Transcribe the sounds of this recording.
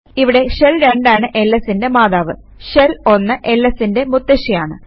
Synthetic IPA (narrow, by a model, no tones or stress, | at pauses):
iʋiɽe̞ɕelɾeɳɖaːɳɨʔe̞lːɐsinde̞maːðaːʋɨ | ɕelo̞nːɐʔe̞lːɐsinde̞mut̪ːɐɕijaːɳɨ